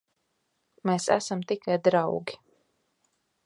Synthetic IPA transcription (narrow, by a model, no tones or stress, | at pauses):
meːsæ̰samt̪ikajd̪ɾawɡʲi̥